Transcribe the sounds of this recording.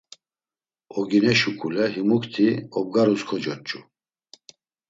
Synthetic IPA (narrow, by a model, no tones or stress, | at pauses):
ɔɡinɛʃukʼulɛɦimukt̪ʰiɔb̚ɡaɾuskʰɔd͡ʒɔt͡ʃʼu